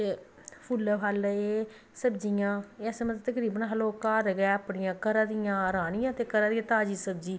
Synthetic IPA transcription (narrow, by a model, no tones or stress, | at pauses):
e | pʰʊlɦaleː | səbd͡ʒijãːɛːsmət̪əkɾiːbənɦəloːkaːɾəɡɛːaːpɳɪjãːkəɾãːd̪ɪjãːɾaːnɪjãːt̪eːkəɾaːd̪ijãːt̪aːd͡ʒiːsəb̚d͡ʒiː